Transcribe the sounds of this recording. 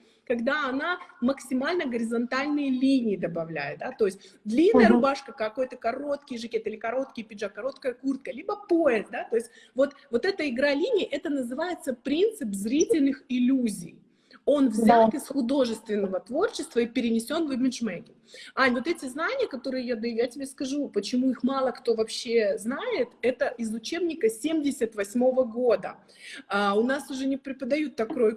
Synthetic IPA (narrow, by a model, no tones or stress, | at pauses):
kɐɡd̪aɐnaməksʲɪmalʲnəɡəɾʲɪzɐnt̪alʲnɨjəlʲinʲɪːd̪əbɐvlʲæ̰jɪt̪̚d̪at̪o̞jɪsʲt̚ʲd̪lʲinːəjəɾʊbaʂkəkɐko̞jt̪əkɐro̞t̪kʲɪjʐɨkʲet̪ɨlʲɪkɐɾo̞t̪kʲɪjəpʲɪʐakɐɾo̞t̪kəjəkurt̪̚kəlʲibəpoɪzd̪at̪o̞jɪsʲt̚ʲ | vo̞t̪vo̞t̪ɛt̪əɪɡɾalʲinʲɪjːʔɛt̪ənəzɨvajɪt̪səpɾʲint̪sɨpzɾʲitʲɪlʲnɨxɪlʲuzʲḭj | o̞nvzʲat̪ɪsxʊd̪o̞ʐɨst̪vʲɪnːəvət̪vo̞rt͡ɕɪst̪vəipʲɪɾʲɪnʲɪsʲo̞nvɨbʲɪnʂmeɡʲɪ | anʲvo̞t̪ɛtʲɪznanʲɪjəkɐt̪o̞ɾɨjɪjad̪ɨjatʲɪbʲeskɐʐupət͡ɕɪmuixmɑlˠəkt̪o̞vɐpɕːe̞znaɪt̪ɛt̪əʔɪzʊt͡ɕe̞bnʲɪkəsʲemʲdʲɪsʲət̪vɐsʲmo̞vəɡo̞d̪ə | aʊnasʊʐɛnʲɪpɾʲɪpəd̪ɐjut̪ːɐkːɾoj